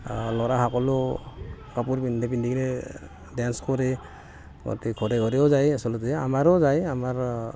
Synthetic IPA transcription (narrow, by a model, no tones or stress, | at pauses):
lɔɾaɦakɔlɔ | kapuɾbindepindiɡɾe | danskʰɔɾe | ɡɔ̰tikʰɔɾeɡɔɾeɔzajasɔlɔtɛa̰maɾɔzajamaɾ